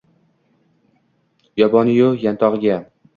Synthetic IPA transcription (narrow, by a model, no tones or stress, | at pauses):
jɒbɒnjojant̪ʰɒʁɨɡʲa